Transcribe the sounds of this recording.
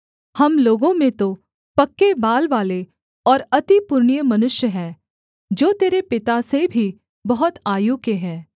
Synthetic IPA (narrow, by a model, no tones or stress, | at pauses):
hɐmloːɡõmẽt̪o | pɐkːebaːlʋaːle | ɔːɾɐt̪ipʊɾɳjəmɐnʊʃjəɦɛː | d͡ʒoːt̪eːɾepɪt̪asebʱi | bɐɦʊt̪aːjukeɦɛː